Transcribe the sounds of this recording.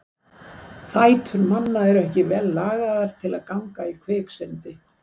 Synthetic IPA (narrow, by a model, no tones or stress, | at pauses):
θaːjt̪ʰʏɾmanːaɛɾɛhcɪvɛlːaːɣaðaɾ̥t̪ʰɪlaðkawŋkaikʰvɛːksɛnt̪ɪ